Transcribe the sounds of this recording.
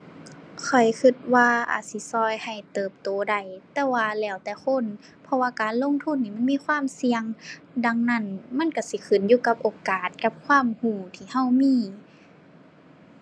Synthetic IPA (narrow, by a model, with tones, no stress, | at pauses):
kʰɔ˨˩jkʰɯ˧˩t̪̚waː˧ʔa̰ː˨˩t̪̚si˧˦sɔː˧˩jha˨˩jt̪ɤː˨˩p̚t̪oː˨˦da˧˩jt̪ɛː˧waː˧lɛː˧˩˨wt̪ɛː˧˩kʰo˧˥˨n | pʰɔ˧waː˧kaː˨˦nlo˧˥˨ŋt̪ʰu˧˥˨niː˧˩ma˧˥˨nmiː˧˥˨kʰwaː˧˥˨msi˧əŋ | da˧ŋna˧˩˨nma˧˥˨nka˧˩si˧˦kʰɯ˨˩njuː˧˨ka˧p̚ʔoː˨kaː˨˩t̪̚ka˧˦p̚kʰwaː˧˥˨mhuː˧˩t̪ʰiː˧˩˨ha˧˥˨wmiː˧˥˨